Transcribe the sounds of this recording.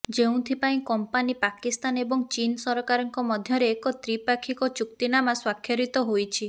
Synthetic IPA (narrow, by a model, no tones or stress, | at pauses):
d͡ʒeũt̪ʰipaĩkɔmpanipakist̪anebɔŋt͡ʃinsɔɾɔkaɾɔŋkɔmɔd̪ʱjɔɾeːkɔt̪ɾipakʰikɔt͡ʃuk̚t̪inamaswakʰːjɔɾit̪ɔɦojt͡ʃʰi